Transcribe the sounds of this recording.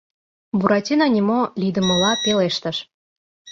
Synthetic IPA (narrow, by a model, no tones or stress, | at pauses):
buɾɑtʲinɑnʲimolʲid̪ə̆mə̆lɑpeleʃt̪əʃ